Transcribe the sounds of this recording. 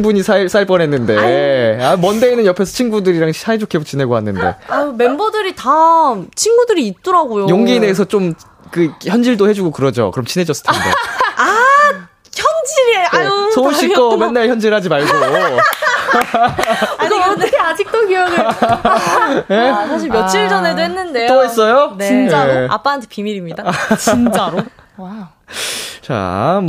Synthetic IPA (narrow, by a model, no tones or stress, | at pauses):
ŋbuɲisʰais͈aiɭp͈ʌnɦe̞nːɯnde̞amʌnde̞inːɯnjʌpʰe̞s̬ʰʌt͡ɕʰinɡudɯɾiɾaŋsʰaed͡ʑokʰebot͡ɕine̞ɡoɦanːɯnde̞̰ame̞mbʌdɯɾitamt͡ɕʰinɡudɯɾiːt̚t͈ʌɾaɡojojoŋɡine̞s̬ʰʌt͡ɕ͈om | kɯçjʌnd͡ʑiɭdohe̞d͡ʑuɡokɯɾʌd͡ʑo̰kɯɾʌmt͡ɕʰinɦe̞d͡ʑʌs͈ɯ̥tʰnddḛa | çʌnd͡ʑiɾaosouɕ͈ʰiomenːaɭçjʌnd͡ʑiɭɦad͡ʑimaɭɡo | nad͡ʑik̚t͈okiʌɡ | nesʰaɕ̬ʰiɭmjʌt͡ɕʰiɭd͡ʑʌne̞doɦenːɯnde̞t͈ois͈ʌjonint͡ɕea̰p͈antʰɯpimiɾimɲidat͡ɕnt͡ɕaɾo | t͡ɕa̰m